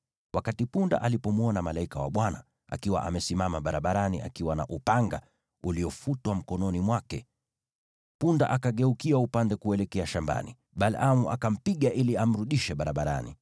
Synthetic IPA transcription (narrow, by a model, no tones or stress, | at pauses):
wakatipunda̰ʔalipɔmuɔnamalaikawa̰ɓwana̰ | a̰kiwa̰ʔamɛsimamaɓaɾaɓaɾaniʔa̰kiwanaʔupaŋɡa̰ | uliɔfutwam̩kɔnɔnimwakɛ | punda̰ʔakaɠɛukiaupandɛkuɛlɛkɛaʃamba̰ni | ɓalamuʔa̰kam̩piɠaʔiliam̩ɾuɗiʃɛɓaɾaɓaɾa̰nḭ